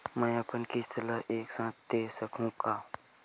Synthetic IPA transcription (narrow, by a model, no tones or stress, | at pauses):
mɛ̃ːəpənkist̪ʰələɦeːksãːt̪̚ʰd̪eːsəkʰũːkaː